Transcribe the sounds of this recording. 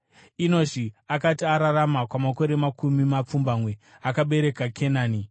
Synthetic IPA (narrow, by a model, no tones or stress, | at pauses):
ino̞ʐiakatiaɾaɾamakwamako̞ɾe̞makʰumimap͡fumbamwe̞ | akaɓe̞ɾe̞kakʰe̞naːni